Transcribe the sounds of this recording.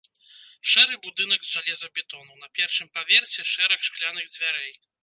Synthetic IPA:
ʂɛɾɨbud̪ɨnɐɡzʐalʲɛzɐbʲɛt̪ɔnunɐpʲɛrʂɨmpavʲɛrsʲɛʂɛɾɐxʂklʲanɨɣd͡zʲvʲaɾɛj

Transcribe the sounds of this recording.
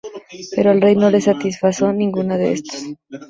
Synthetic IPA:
pe̞ɾo̞alre̞jno̞le̞sat̪isfaso̞nĩŋɡunaðe̞̰ḛst̪o̥s

